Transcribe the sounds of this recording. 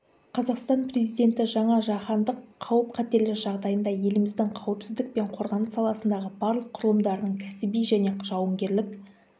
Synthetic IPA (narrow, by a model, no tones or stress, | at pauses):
qʰɑzɑqst̪ɑnpre̞zijd̪e̞nt̪ɪʒɑɴɑʒɑχɑnd̪əqʰːɑwəp̚qʰɑt̪e̞ɾlɪɾʒɑʁd̪ɑjənd̪ɑje̞lɪmɪzd̪ɪŋqʰɑwəpsɪzd̪ɪk̚pe̞ɴqʰo̞ɾʁɑnəsɑlˠɑsənd̪ɑʁəbɑɾlˠəqʰːʊɾəlˠəmd̪ɑɾənəɴkʲʰæsɪbijʒæne̞ʒ̥ɑwəŋɡʲe̞ɾlɪk